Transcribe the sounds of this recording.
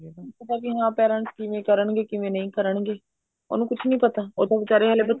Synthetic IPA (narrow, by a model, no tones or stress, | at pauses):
ĩpət̪aːkiɦãːpɛːɾə̃ɳʈskɪʋẽːkəɾəɳɡeːkɪʋẽːnə̃ĩːkəɾəɳɡeː | o̰ːnũːkʊt͡ʃʰnəĩːpət̪aːoːt̪ãʋɪt͡ʃaːɾeːɦəlebə